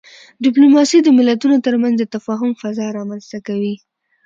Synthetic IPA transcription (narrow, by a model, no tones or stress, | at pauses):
ɖɪp̬lumɑsid̪əmɪlat̪unot̪əɾmanzd̪ət̪afɑɦʊmfazɑɾɑmanz̥t̪akawi